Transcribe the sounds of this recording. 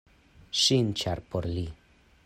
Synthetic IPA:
ʃint͡ʃaɾpoɾli

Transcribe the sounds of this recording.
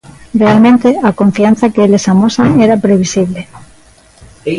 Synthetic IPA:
realmẽnt̪eako̞ɱfian̟θakeelesamosaeɾapɾe̞β̞isiβle

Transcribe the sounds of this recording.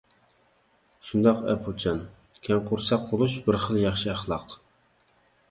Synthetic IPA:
ʃund̪ɑqɛ̰pʰut͡ʃʰɑn | kʲʰɛŋqʰʊɾsɑq̚bolˠuʃbɪɾχəlˠjɑχʃiæχlˠɑq

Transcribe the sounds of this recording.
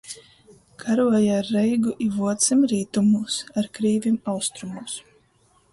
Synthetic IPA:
kʰaɾuɔjaaɾːɛjɡuʔivuɔt̪simɾiːt̪umuːsaɾkɾiːvʲimawst̪ɾumuːs

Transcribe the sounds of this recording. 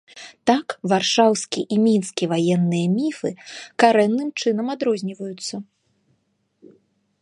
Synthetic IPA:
t̪akvarʂawsʲkʲiʔimʲinskʲivajɛnːɨjɐmʲifɨkaɾɛnːɨmt͡ʂɨn̪ɐmad̪ɾɔzʲnʲivɐjut̪sːɐ

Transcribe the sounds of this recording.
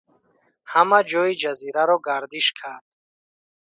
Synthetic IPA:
hamad͡ʒɔid͡ʒaziɾaɾɔɡaɾd̪iʃkʰaɾd̪̥

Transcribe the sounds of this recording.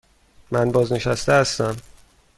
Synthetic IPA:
mænbɒːzne̞ʃæst̪eæst̪æm

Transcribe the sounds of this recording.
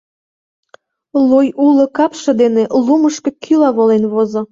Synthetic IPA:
lojulə̆kɑpʃə̆d̪eneluməʃkɤ̆kʰylɑβolenβozŏ

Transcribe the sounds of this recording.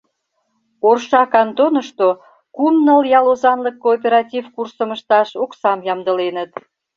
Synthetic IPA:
orʃɑkɑnt̪onəʃt̪o | kumnəljɑlozɑnləkːoːp̬ʲeɾɑt̪ʲivkursəməʃt̪ɑʃoksɑmjɑmd̪əlenət̪

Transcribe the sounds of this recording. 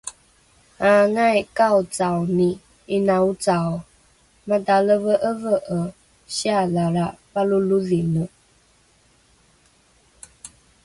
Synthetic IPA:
aŋajkaut͡sawni | inãut͡saw | mãtaləvəʔəvəʔə | ʃialaɾapaluluðinə

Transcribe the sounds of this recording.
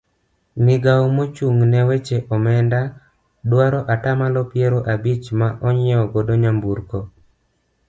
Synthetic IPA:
nɪɡawmot͡ʃuŋnɛwet͡ʃeʔɔmɛnda | dwaɾɔʔatamalɔpjeɾoʔabit͡ʃmaʔɔɲɪɔɡɔdoɲambuɾkɔ

